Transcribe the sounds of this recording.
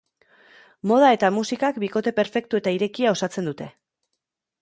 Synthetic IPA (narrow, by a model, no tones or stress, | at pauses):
mo̞ð̞ae̞t̪amusikakbiko̞t̪e̞pe̞ɾfe̞k̚t̪ue̞t̪aiɾe̞kiao̞sat͡se̞nd̪ut̪e̞